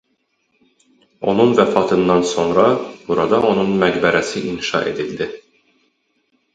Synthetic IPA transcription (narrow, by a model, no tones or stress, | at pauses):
o̞nunvæfɑːt̪ʰɯnd̪ɑnso̞nɾɑb̥uɾɑd̪ɑʔo̞nunmæɡbæɾæsiʔinʃɑ̰ʔe̞̰d̪ild̪i